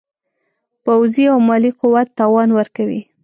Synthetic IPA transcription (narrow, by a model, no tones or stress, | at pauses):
pawziawmɑliqʊwat̪ːɑwɑnwəɾkawḭ